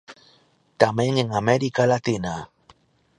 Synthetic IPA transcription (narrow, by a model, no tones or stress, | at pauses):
t̪ameŋeŋameɾikalat̪ina